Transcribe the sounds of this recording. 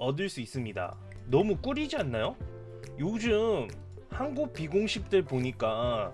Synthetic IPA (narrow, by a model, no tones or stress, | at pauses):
ʌdɯɭs͈uis͈ɯmɲida̰ | nʌmuk͈ɯɾid͡ʑianːajo | jod͡ʑɯm | hanɡuk̚p͈iɡoŋɕʰip̚t͈ɯɭpoɲik͈a